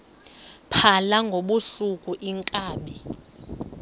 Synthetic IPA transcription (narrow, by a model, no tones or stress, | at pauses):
pʰalaŋɡʱoɓusukʼuʔiŋkʼaːɓɛ